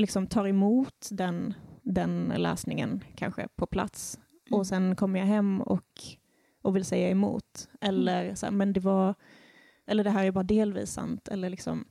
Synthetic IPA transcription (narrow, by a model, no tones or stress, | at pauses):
lɪksɔmt̪ʰɑːɾɛmuːt̪d̪ɛnd̪ɛnlɛ̰ːsnɪŋə̰nkʰa̰nɧə̰pʰɔpʰla̰t̪s | ɔsɛnkʰɔmːəɾjaɦɛmːɔ̰k | ɔvɪlsɛjːaɛmṵːt̪ʔɛlːəɾsæ̰ːɾmɛnd̪ɛvaɾ | ʔɛlːəɖɛɦæːɾæɾbɑːɾad̪eːlvḭːsːa̰nt̪ʰɛ̰lːəɭɪksɔ̰m